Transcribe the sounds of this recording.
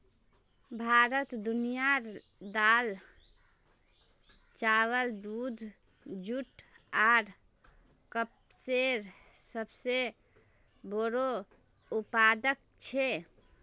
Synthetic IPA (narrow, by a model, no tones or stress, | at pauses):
bʱaɾət̪d̪unijaɾ | d̪al | t͡ʃawəld̪ud̪ʱ | d͡ʒuʈ | aɾ | kəp̚ | seɾ | səbse | boɾo | upad̪ək̚ | t͡ʃʰe